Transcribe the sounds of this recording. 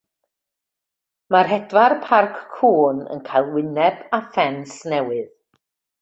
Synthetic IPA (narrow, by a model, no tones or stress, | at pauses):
marɦɛdwarpʰarkːʰuːnə̰nkʰajlˠwɪnɛbafɛnsnɛwɨð